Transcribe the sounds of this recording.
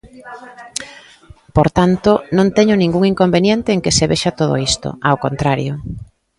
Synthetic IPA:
poɾt̪ant̪onõnt̪ɛɲʊnĩŋɡuŋiŋkombenjɛnt̪eːŋkeseβeʃat̪oðo̰ist̪o̰awkont̪ɾaɾjo

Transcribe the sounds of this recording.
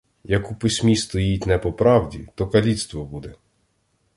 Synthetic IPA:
jɐkupɪsʲmʲist̪ɔjitʲnɛpɔpɾɑwdʲḭt̪ɔkɐlʲit̪st̪ʋɔbud̪ɛ

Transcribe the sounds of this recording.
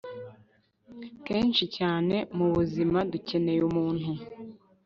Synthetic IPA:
ke̞ːnʃicaːne̞muβuzimaduce̞ne̞jumuːn̥hu

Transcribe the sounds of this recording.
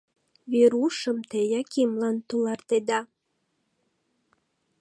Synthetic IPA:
βeɾuʃəmt̪ejɑkʰimlɑnt̪ulɑrt̪ed̪ɑ

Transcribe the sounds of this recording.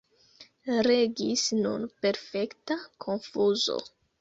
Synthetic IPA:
ɾe̞ɡisnṵnpe̞ɾfe̞ktakʰonfuzo̰

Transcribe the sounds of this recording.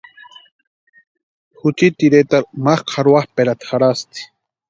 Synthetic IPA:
xut͡ʃit̪iɾet̪aɾmaχqʰaɾuwaχpeɾat̪χaɾast̪i̥

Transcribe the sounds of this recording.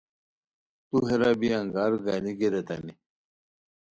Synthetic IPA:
t̪uɦeɾabiɐŋɡaːɾɡaniɡeɾet̪ɐ̰ni

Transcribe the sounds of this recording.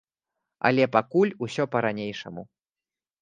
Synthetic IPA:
ɐ̰lʲɛpakulʲusʲɔpɐɾanʲejʂɐ̰mu

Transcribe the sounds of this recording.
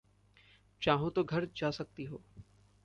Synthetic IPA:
t͡ʃaːɦõt̪oɡʱɐɾd͡ʒaːsɐk̚t̪iɦoː

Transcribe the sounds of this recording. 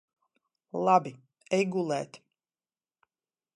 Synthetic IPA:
lˠabi | ɛjɡulˠɛːt̪

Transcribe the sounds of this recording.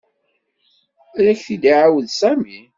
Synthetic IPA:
ɾæçθid̪iʕawəðsæmi

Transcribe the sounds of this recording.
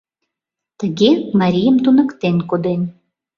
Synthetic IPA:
t̪əɣekmaɾʲijəmt̪unə̆kt̪enkod̪en

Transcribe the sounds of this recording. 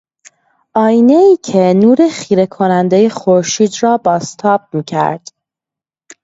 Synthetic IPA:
ʔɒːjneiːcʰe̞nuːɾe̞xiːɾe̞kʰo̞nænd̪eje̞xoɾʃiːd̪rɒːbɒːst̪ʰɒːb̥̚miːcʰæ̰ɾd̪̥

